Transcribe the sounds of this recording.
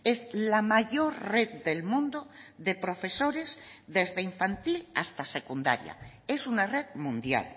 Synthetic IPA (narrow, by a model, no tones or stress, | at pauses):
ezlamaʝo̞ɾreðd̪elmũnd̪oðepɾo̞fe̞soɾe̞zðe̞zðeiɱfant̪ila̰st̪asekund̪a̰ɾja̰ | e̞sunare̞ðmũnd̪ja̰l